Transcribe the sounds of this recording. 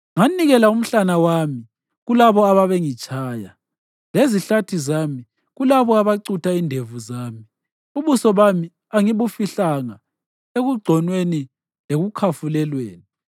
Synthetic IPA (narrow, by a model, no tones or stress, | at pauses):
ŋaniɣɛlaum̩ɬanawami | ɣulaβɔaβaβeŋit͡ʃʼaːja | leziɬatʰizami | ɣulaβɔaβaǀutʰaindʱevuzaːmi | uβusɔβami | aŋiβufiɬaŋa | eɣuɡ͡ǀʱɔnweni | leɣukʰafulɛlweːni